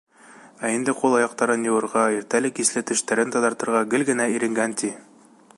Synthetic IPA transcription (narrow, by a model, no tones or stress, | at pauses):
æind̪ɘqulˠɑjɑq̚t̪ɑɾɤnjɤ̆wɤ̆ɾʁɑiɾt̪ælɘkislɘt̪ɘ̆ʃt̪æɾɘnt̪ɒd̪ɑɾt̪ɤ̆ɾʁɑɡɘ̆lɡɘ̆næiɾɘ̆ŋɡænt̪i